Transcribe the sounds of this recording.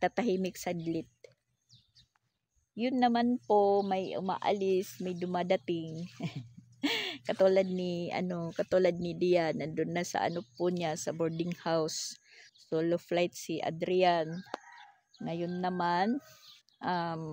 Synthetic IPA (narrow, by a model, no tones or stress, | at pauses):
t̪at̪aɦimɪksad̪lɪt̪̚ | jʊnːɐmanpomajʊ̰ma̰ʔa̰lɪsmajd̪ʊmad̪at̪ɪŋ | kɐt̪ulad̪̚nɪʔɐ̰nokɐt̪ulad̪̚nɪd̪ɪjanɐd̪ʊnːasɐ̰ʔa̰nopʊɲasɐboɹd̪ɪŋhaws | t̪oloflajt̪̚siʔa̰d̪ɾɪan | ŋɐjʊnːɐman | ʔam